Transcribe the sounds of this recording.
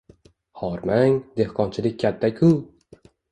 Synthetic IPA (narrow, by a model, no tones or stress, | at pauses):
hɒɾmaŋd̪e̞hqʰɒnt͡ʃʰɪlɪk̚ʲːʰat̪ʰːakʲʰʊ